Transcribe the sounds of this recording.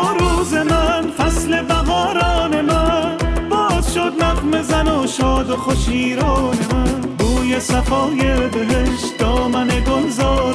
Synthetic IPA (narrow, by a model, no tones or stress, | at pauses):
ɾuːzemænfæslebæɦɒːɾɔːnemæbɒːzʃod̪nafmezænoʃɒːd̪oxoʃiːɾɒːnemæn | buːjesafɒːjebeɦeʃt̪d̪ɒːmaneɡohzɒːɾ